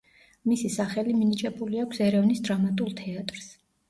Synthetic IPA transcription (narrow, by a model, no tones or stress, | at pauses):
misisaχɛliminit͡ʃʼɛbuliakʷʰsɛɾɛvnisd̪ɾamat̪ʼulˠt̪ʰɛat̪ʼɾs